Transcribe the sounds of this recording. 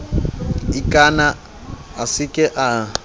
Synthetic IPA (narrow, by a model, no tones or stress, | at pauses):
ikʼana | asɪkʼɛʔa